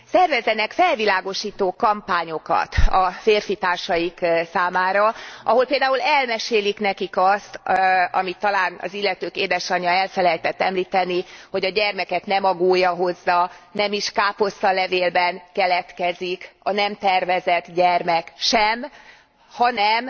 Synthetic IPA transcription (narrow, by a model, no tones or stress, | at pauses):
sɛrvɛzːɛnɛkfɛlvilaːɡo̞ʃiːt̪oːkɒmpaːɲo̞kɒ̰t̪ɒfeːrfit̪aːrʃɒjiksaːmaːɾɒʔɒɦo̞lpeːld̪aːulɛlmɛʃeːliknɛkikɒst̪ɒ̰mit̪ːɒlaːnɒ̰zilːɛt̪øːkeːd̪ɛʃɒɲːɒɛlfɛlɛjt̪ɛt̪ːɛmliːt̪ɛniho̞ɟɒɟɛrmɛkɛt̪nɛmɒɡoːjːɒɦo̞zːɒnɛmiʃkaːpo̞sːɒlɛveːlbɛnkɛlɛt̪kɛzikɒnɛmt̪ɛrvɛzɛt̪ɟɛrmɛkʃɛm | hɒnɛm